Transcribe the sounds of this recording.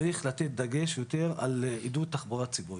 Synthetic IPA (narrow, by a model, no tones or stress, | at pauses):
iχlat̪et̪̚d̪aɡe̞ʃjo̞t̪e̞ʁa̰lid̪ut̪ːaχboʁatt͡sibui